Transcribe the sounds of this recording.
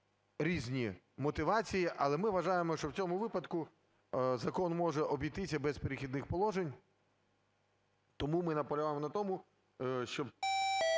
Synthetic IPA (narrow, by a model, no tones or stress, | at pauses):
ɾʲizʲnʲi | mɔt̪ɪʋɑt͡sʲijiʔɐlˠɛmɪʋɐʒɑjemɔʃt͡ʃɔwt͡sʲɔmʊʋɪpɐd̪kʊ | zɐkɔnmɔʒɛʔɔbʲijt̪ɪsʲɐbɛspeɾɪxʲid̪nɪxpɔlˠɔʒenʲ | t̪ɔmumɪnɐpɔlʲʊʋamɔnɐt̪ɔmʊ | ʃt͡ʃɔb